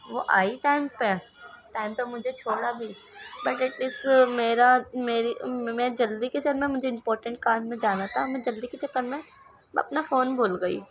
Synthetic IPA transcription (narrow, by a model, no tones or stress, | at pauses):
ʋoʔaːiʈaːɪmpe | ʈaːɪmpemʊd͡ʒʱet͡ʃʰoːɽabʱi | bɐʈɪʈɪsmeːɾameːɾimɛ̃d͡ʒɐld̪ikeseɾmɛ̃mʊd͡ʒʱeɪ̃mpɔːɾʈə̃ɳʈ̚kaːɾmmẽd͡ʒaːnat̪ʰamẽd͡ʒɐld̪iket͡ʃɐkːəɾmẽ | ɐ̰pnafoːnbʱoːlɡɐḭː